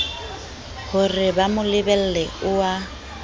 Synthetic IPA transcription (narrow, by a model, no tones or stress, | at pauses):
hʊrɪbamʊlɪbɛl̩lɛʊwa